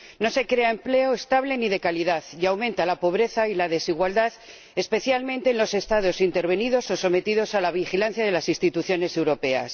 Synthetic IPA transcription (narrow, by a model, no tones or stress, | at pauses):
no̞se̞kɾe̞ae̞mple̞o̞est̪aβle̞niðe̞kaliðaðjawmẽnt̪alapo̞β̞ɾe̞θailaðe̞siɣwald̪að | e̞spe̞θjalmẽ̞nt̪eːnlo̞se̞st̪aðo̞sint̪e̞ɾβ̞e̞nið̞o̞so̞so̞me̞t̪iðo̞salaβ̞ixilanθjaðe̞lasinst̪it̪uθjo̞ne̞se̞wɾo̞pe̞a̰s